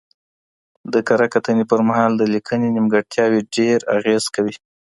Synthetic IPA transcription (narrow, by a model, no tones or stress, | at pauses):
d̪əkaɾakat̪ənepəɾmaɦɑld̪əlikʰənenimɡaɽ̚t̪jɑweɖeɾaɣez̥kawi